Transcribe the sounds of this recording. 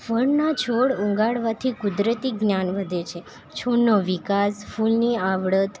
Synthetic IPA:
fəɳnat͡ʃʰoɽũŋɡaɽʋat̪ʰikud̪ɾət̪iɡnjanʋəd̪ʱet͡ʃʰe | t͡ʃʰoɽnoʋikasfulniaʋɽət̪

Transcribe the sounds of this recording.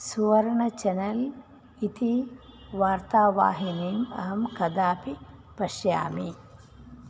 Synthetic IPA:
suʋɐɾɐɳɐt͡ʃɐnɐl | it̪iʋaːɾt̪aːʋa̰ːɦiniːmɐ̰ɦɐmkɐd̪aːpipɐʃja̰ːmiː

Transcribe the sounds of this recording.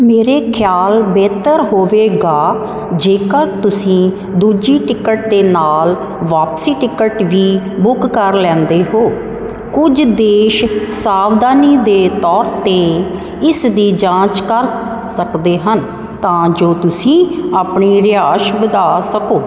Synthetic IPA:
meːɾeːkʰjaːlbɛːt̪əɾɦoːʋeːɡaː | d͡ʒeːkəɾt̪ʊsĩː | d̪uːd͡ʒiːʈɪkəʈ̚d̪eːnaːl | ʋaːpsiːʈɪkəʈʋiː | bʊkːəɾlɛ̃ːnd̪eːɦoː | kʊd͡ʒd̪eːʃsaːʋd̪aːniːd̪eːt̪ɔːɾt̪eː | ɪsd̪iːd͡ʒãːt͡ʃkəɾ | səkd̪eːɦən | t̪ãːd͡ʒoːt̪ʊsĩːapɳiːɾɪaːʃbəd̪aːsəkoː

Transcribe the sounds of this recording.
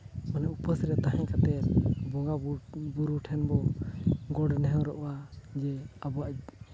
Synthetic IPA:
mənɛʔupəsɾɛt̪aɦɛ̃ɲkat̪ɛbɔɡabuɾuʈʰɛnbɔ | ɡɔɖnɛɦɛ̃ɾɔʔɔwad͡ʒɛabɔwaʔ

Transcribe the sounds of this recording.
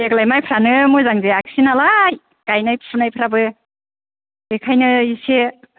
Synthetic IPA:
eklajmajpʰɾanɯmɔjzaŋzeak̚sinalaj | kajnajpʰɾɯnajpʰɯɾabɯ | ekʰajnɯise

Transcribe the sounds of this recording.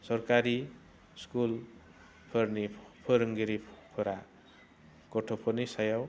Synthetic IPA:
sʌrkaɾi | skul | pʰʌrnipʰʌɾʌŋɡiɾipʰoɾa | koʈʰopʰʌrnisʌjaw

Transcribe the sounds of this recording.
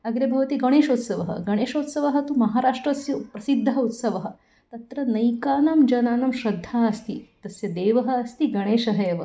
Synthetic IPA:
ɐɡɾɐbʱɐʋɐt̪iːɡɐɽ̃eːʃot̪sɐʋɐɦɐ̰ɡɐɽ̃eːʃot̪sɐʋɐɦɐ̆t̪umɐɦaːɾaʂʈɾɐsjɐpɾɐsid̪ʱːɐut̪sɐʋɐɦɐ̆ | t̪ɐt̪ɾɐnɐjkaːnɐmd͡ʒɐnaːnɐmɕɾɐd̪ʱːaɐst̪iːt̪ɐsjɐd̪eːʋɐɦɐ̆ːst̪iɡɐɽ̃eːʃɐɦeːʋə

